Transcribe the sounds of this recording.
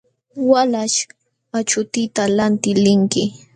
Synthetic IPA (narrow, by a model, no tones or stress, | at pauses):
walaʃ | at͡ʃʊt̪ɪt̪alant̪ɪlɪŋkɪ